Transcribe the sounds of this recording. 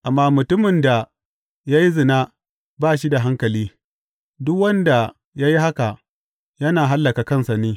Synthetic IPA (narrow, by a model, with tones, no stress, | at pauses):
ʔa˨mːaː˦mʊ˨tʊ˦mɪ˨nda˨ | jaː˦ji˦zɪ˨naː˦ | baː˦˨ʃi˦da˨ɦa˦ŋkɐ˨liː˦ | dʊ˦k̚wɐ˦nda˨ | ja˦ji˦ha˦ka˨ | jɐ˦naː˨ɦa˦lːɐ˨ka˨kɐ˦nsa˨neː˦